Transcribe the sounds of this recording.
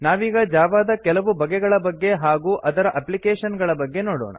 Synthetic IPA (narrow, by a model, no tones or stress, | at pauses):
naːʋiːɡɐd͡ʒaːʋaːd̪ɐkɛlɐʋubɐɡɛɡɐɭɐbɐɡːe̞ɦaːɡuːʔʔɐd̪ɐɾɐʔɐplikeːʂɐnɡɐɭɐbɐɡːe̞noːɽo̰ːɳɐ̰